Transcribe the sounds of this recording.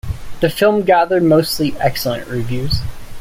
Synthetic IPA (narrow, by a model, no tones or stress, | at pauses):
ðɨfɪlˠmɡæðə˞d̚moʊstˡliʔɛksl̩ˠə̰̃nʔɹivjʉz̥